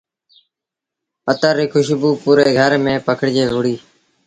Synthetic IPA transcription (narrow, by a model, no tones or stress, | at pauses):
ət̪aːɾiːkʰʊʃbuːpuːɾeːɡʱəɾmẽːpəkʰəɽd͡ʒeːɦʊɽiː